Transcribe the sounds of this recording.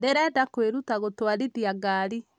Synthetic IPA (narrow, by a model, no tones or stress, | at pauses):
deɾɛdakweɾutaɣotwaɾidiaɡaːɾi